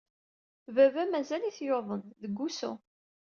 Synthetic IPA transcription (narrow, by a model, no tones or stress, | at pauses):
vævæmæzæliθjoðˤənðəɡʷːusṵ